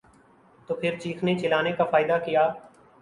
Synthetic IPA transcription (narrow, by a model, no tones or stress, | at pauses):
t̪oːpʰɪɾt͡ʃiːkʰnet͡ʃɪlaːnekafaːɪd̪akijaː